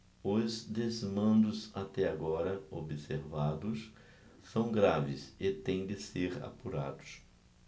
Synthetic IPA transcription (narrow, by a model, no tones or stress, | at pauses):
ʊzd̪ezmɐ̃nd̪ʊzat̪ɛaɡɔɾɐobɪseɾvad̪ʊs | sɐ̃w̃ɡɾavɪset̪ẽj̃d̪ɪseɾa̰puɾa̰d̪ʊ̥s